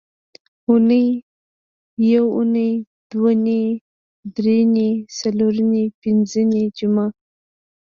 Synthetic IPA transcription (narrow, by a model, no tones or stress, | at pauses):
ʊnəj | jawunəj | d̪̥wane | d̪ɾenesaloɾənepɪnzəned͡ʒʊma